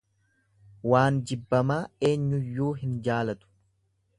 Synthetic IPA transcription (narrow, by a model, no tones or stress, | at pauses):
waːnd͡ʒɪbːɐmaːe̞ːɲːʊjːuːɦɪnd͡ʒaːlɐt̪ʊ̥